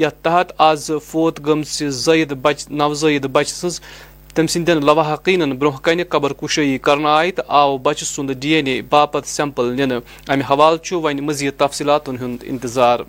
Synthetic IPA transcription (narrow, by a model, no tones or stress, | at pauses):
jɐt̪ɐɦɐt̪azfoːt̪ɡɐmt͡sizɐjid̪bɐt͡ʃnɐʋzəjid̪bɐt͡ʃʰsɨnz | t̪ɐmʲsind̪ʲɐnlɐʋaɦɐqiːnɐnbɾõɦkɐnʲikɐbɐɾkuʃəikɐɾnaːjit̪aːʋbɐt͡ʃʰsund̪ɨdijenʲibaːpɐt̪sʲɐmpəlnʲinɨ | ɐmʲiɦɐʋaːlt͡ʃʰuʋɐnʲmɨziːt̪ːɐfsiːlaːt̪unɦund̪ḭnt̪izaːɾ